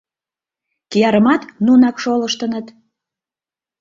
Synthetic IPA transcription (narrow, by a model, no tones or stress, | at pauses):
kijɑɾəmɑt̪nunɑkʃoləʃt̪ənət̪